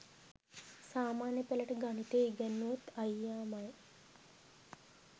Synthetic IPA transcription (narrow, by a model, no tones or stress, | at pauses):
saːmaːnjəpelɐʈəɡanit̪eiɡɛnːut̪ajjaːmaj